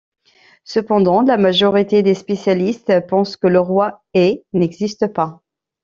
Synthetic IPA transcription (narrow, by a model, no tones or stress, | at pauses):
səpɑ̃d̪ɑ̃lamaʒɔʁit̪ed̪espesjalist̪pɑ̃skələʁwa | ɛnɛɡzist̪əpa